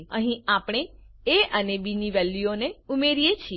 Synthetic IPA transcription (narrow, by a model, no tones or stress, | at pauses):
əɦĩapɳ̃e | eʔənebiniʋɛlːioneumeɾijet͡ʃʰi